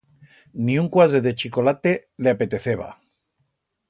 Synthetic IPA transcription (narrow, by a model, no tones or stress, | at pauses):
niuŋkwað̞ɾe̞ðe̞t͡ʃiko̞lat̪e̞leape̞t̪e̞θeβa̰